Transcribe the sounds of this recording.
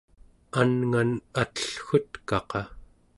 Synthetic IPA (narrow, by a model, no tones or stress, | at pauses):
anŋanat̪ə̥ɬxʊt̪kɑqɑ